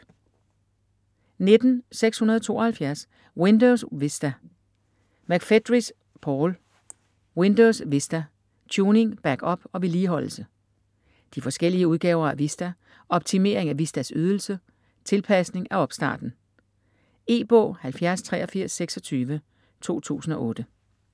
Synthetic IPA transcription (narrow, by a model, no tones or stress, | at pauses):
ne̝d̥n̩seɡ̥shunɐð̞ˠɒt͡sʰo̝̰ːɐ̽hælfjæɐs | wend̥oʊsʋesd̥æ | mæɡ̥fed̥ʁis | pʰɒːl | wend̥oʊsʋesd̥æ | t͡ɕʰuːne̝ŋb̥æɡ̥ɒ̽b̥ɒ̽ʋe̝liːɦɒ̽l̰l̩sə | d̥ifɒ̽sɡ̥el̰iəuð̞ˠɡ̥ɛ̰ːʊɐæʋisd̥æ | ɒ̽b̥t͡sʰime̝ɐ̰e̝ŋæʋisd̥æsyːð̞ˠl̩sə | t͡sʰe̝lpʰæsne̝ŋæɒ̽b̥sd̥ɑ̰̈ːd̥n̩ | e̝̰ːb̥ɔ̰̽ːhælfjæɐst͡sʰʁɛ̰ːɒ̽fiɐ̰sːeɡ̥sɒ̽t͡sʰyːʋə | t͡sʰo̝̰ːt͡sʰṵːsn̩ɒ̽ʔɔ̽ːd̥ə